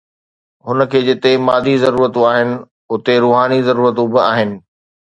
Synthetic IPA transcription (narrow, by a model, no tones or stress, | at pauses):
ɦʊnə̆kʰeːd͡ʑɪt̪emaːd̪ʱizɐɾuːɾət̪ũaːɦɪnɪ̆ | ʊt̪eɾuːɦaːnizɐɾuːɾət̪ũbɪa̰ːɦɪnɪ̆